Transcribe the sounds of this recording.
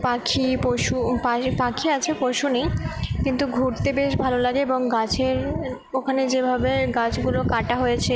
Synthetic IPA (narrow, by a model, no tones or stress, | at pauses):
pakʰipoʃupapakʰiat͡ɕʰepoʃunejkint̪uɡʱuɾt̪ebeʃbʱalolaɡeeboŋɡat͡ɕʰeɾ | okʰaned͡ʑebʱabeɡat͡ɕɡulokaʈaɦojet͡ɕʰe